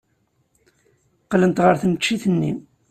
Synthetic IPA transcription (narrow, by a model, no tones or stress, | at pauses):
qlənt̪ʁəɾθmət͡ʃːiθənːi